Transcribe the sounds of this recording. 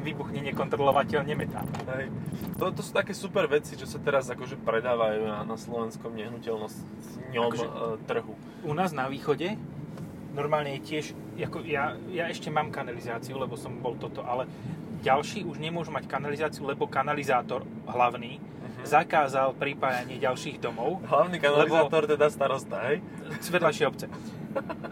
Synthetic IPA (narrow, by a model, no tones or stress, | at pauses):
ʋiːbuxɲɛɲɪɛkɔnt̪ɾɔlɔʋacɛʎɲɛmɛt̪a̰ːlɦɛjt̪ɔt̪ɔsuːt̪akɛːsupɛɾʋɛt͡sit͡ʃɔsat̪ɛɾazakɔʒɛpɾɛd̪aːʋajunanaslɔʋɛnskɔmɲɛɦnucɛlnɔs | ɲɔakɔʒmɛt̪r̩ɦu | unaːznaʋiːxɔɟɛ | nɔɾmaːlɲɛjɛcɪɛʒ | akɔjajaɛʃcɛmaːmkanalizaːt͡siulɛbɔsɔmbɔlt̪ɔt̪ɔʔalɛ | ɟalʃiːuʒɲɛmʊɔʒumackanalizaːt͡siulɛbɔkanalizaːt̪ɔɾ | ɦlaʊniː | zakaːzalpɾipaːjaɲɪɛɟalʃiːɣd̪ɔmɔʊɦlaʊnikanalɛlibaːt̪ɔɾt̪ɛd̪ast̪aɾɔst̪aɦɛj | sʋɛd̪lajʃɛɔpt͡sɛ